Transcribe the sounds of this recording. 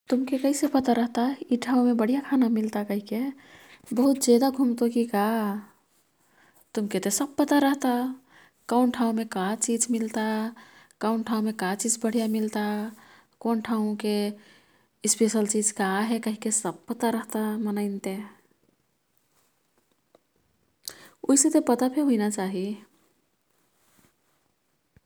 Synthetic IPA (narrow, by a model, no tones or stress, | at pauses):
t̪umkekəɦisepət̪aɾəɦt̪aɦiʈʰaũmebəɽ̤ijakʰanamilt̪akəɦike | bəɦut̪̚d͡ʒed̪aɡʱumt̪okika | t̪umket̪esəb̚pət̪aɾəɦt̪a | kəʊnʈʰaw̃mekat͡ʃid͡ʒmilt̪akaʊnʈʰaw̃mekat͡ʃid͡ʒbəɽ̤ijamilt̪a | konʈʰaũke | ispeʃəlt͡ʃid͡ʒkaɦɛkəɦikesəb̚pət̪aɾəɦt̪amənəɪnt̪e | oiset̪epət̪apʰeɦuinat͡ʃaɦi